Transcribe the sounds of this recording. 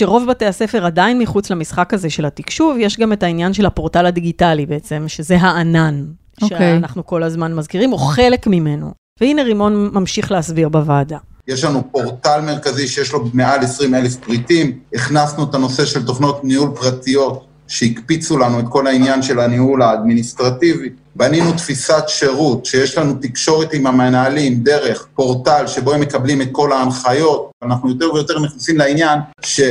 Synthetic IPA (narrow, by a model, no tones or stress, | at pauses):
ʃeʁo̞vbate̞ase̞fe̞ʁadainmiχut͡slamisχakhaze̞ʃe̞latikʃuvjeʃɡame̞tainjanʃelhapo̞ʁtaladiɡitalibeet͡se̞mʃe̞ze̞ɦaːnan | ʃoeanaχnuko̞lazmanmazkiʁimo̞χe̞le̞kmime̞no̰ | veine̞ʁimo̞nmamʃiχleasbiʁbavaːdajeʃlanupo̞ʁtalme̞ʁkaziʃejeʃlo̞bemealesʁime̞lefpʁitimiχnasnuetano̞se̞ʃe̞lt̪o̞χno̞tnihulpʁatijo̞t | ʃe̞ikpit͡sulanuetko̞lainjanʃe̞laniulaːd̪minist̪ʁativi | baninutfisatʃe̞ʁutʃejeʃlanut̪ikʃo̞ʁetimamenːlimd̪e̞ʁe̞χpo̞ʁtalʃebo̞emːe̞kablimet̪̚ko̞laːnχajo̞tvanaχnujo̞t̪eʁvejo̞te̞ʁniχnasimleinjanʃe̞